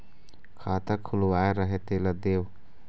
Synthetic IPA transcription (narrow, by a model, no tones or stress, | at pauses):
kʰaːt̪əkʰʊlwaːeɾəɦet̪eləd̪eːʋ